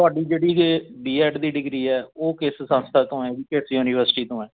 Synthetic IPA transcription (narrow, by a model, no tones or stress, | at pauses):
t̪ʊaːɖiːd͡ʒeːɽiːɖiːɛːɖd̪iːɖɪɡɾiːɛːoːkɪssə̃nst̪ʰaːt̪õːɛːʋiːkɪsjuːniːʋəɾsʈiːt̪õːɛ̃ː